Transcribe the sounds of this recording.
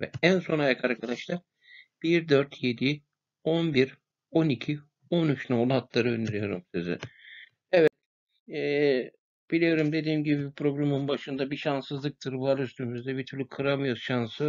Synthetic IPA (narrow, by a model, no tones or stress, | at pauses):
vɛ̰ænso̞najakʰaɾkʰad̪aʃlˠaɾ | b̥iɾd̪ø̞ɾt̪ʰje̞d̪i | o̞nbiɾ | o̞nicʰi | o̞nyt͡ʃnolˠat̪lˠaɾɯø̞nd̪iɾijo̞ɾṵmsyzy̰ | ɛvɛt̪ | ɛ | b̥ilʲijo̞ɾumd̪e̞d̪iːmɟibibipʰɾo̞ɡɾamɯnbaʃɯnd̪abiʃansɯzlˠɯk̚t̪ʰɯɾvaɾyst̪ʰymyzd̪ɛbit̪ʰyɾlʲykʰɯɾamɯjosʃansɯ